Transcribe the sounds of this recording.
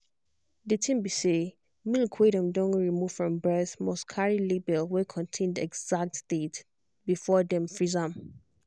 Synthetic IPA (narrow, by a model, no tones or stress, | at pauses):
ditʰĩmbise | milkʰweɾə̃mdõnɹimuv̥fɹɔ̃mbɛθmɔskʰaɹilibɛlwɪkʰɔ̃ntʰẽndɛ̰ɡz̥ak̚tstet | bifɔdɛ̃mfɹizãm